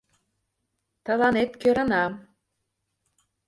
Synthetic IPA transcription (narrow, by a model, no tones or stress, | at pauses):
t̪ɤ̆lɑnet̪køɾə̆nɑ